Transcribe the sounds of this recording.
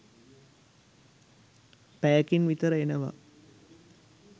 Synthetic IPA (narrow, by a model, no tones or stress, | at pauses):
pæːkinʋit̪əɾəenəʋa̰